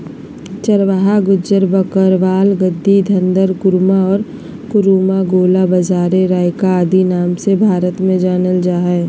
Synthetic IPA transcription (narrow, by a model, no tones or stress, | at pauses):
t͡ʃəɾʋaɦaɡʊd͡ʒəɾbəkəɾʋaːlɡəd̪ːid̪ʱə̃nd̪əɾkʊɾmaɔːɾ | kʊɾuːmaɡoːlabəzaːɾeɾaːɪkaːd̪inaːmsebʱaːɾət̪mẽd͡ʒaːnəld͡ʒaːɦɛː